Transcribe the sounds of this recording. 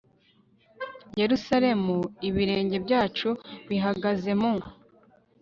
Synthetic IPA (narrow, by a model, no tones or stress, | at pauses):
je̞ɾusaɾe̞muiβiɾe̞ːɲɟe̞bjaːt͡ʃuβiɦaɡaze̞mu